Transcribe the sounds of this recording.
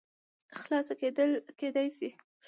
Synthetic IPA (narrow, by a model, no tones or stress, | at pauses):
xlɑsaked̪əlked̪ɑjsi